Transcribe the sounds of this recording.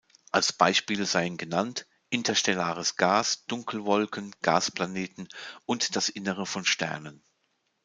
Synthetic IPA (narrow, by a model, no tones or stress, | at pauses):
ʔalsb̥aɪʃpiːlzaɪənɡənant | ʔɪntʰɐʃtɛlaːʁəsɡ̥aːsd̥ʊŋkʰl̩vɔlkən̩ɡ̥a̰ːspl̥aneːtn̩ʊntd̥asʔɪnəʁəfɔnʃtɛ̰ɐnən